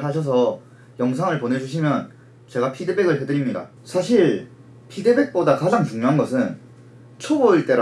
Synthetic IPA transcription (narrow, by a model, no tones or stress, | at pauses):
ɦaɕ̬ʰʌs̬ʰʌ | jʌŋs̬ʰaŋɯɭpone̞d͡ʑuɕʰimjʌn | t͡ɕe̞ɡapʰidebeɡɯɭɦedɯɾimɲida̰ | sʰaɕʰiɭ | pʰidebe̞k̚p͈odakad͡ʑaŋt͡ɕuŋɲjoɦanɡʌsʰɯn | t͡ɕʰoboiɭt͈e̞ɾ